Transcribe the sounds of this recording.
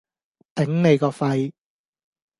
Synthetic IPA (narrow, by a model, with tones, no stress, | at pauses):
t̪ɪ˨˥ŋne˨˧jkɔː˧fɐ˧j